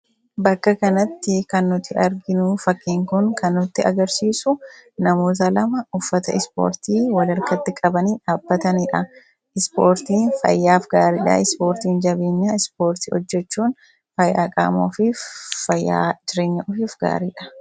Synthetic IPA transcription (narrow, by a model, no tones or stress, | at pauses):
bɐkːɐkɐnɐt̪ːɪkɐnːʊt̪ːɪʔɐɾɡɪnʊfɐkːiːŋkʊnkɐnːʊt̪ːɪɐ̰ɡɐɾsiːsʊnɐmoːt̪̬ɐlɐmɐʊfːɐt̪ɐʔɪspo̰ːɾt̪iːwɐlɐɾkɐt̪ːɪkʼɐbɐniːᶑaːb̥ːɐt̪ɐniːᶑɐ | ʔɪspoːɾt̪iːnfɐ̰jːaːfɡaːɾiːᶑɐ̰ɪspo̞ːɾt̪iːnd͡ʒɐbeːɲːaːɪspo̞ːɾt̪ɪɔ̰d͡ʒːɛt͡ʃːuːn | fɐjːa̰ːkʼa̰ːmo̰ːfifɐjːa̰ːd͡ʒɪɾeːɲːɐʔʊfiːfɡa̰ːɾiːᶑɐ̥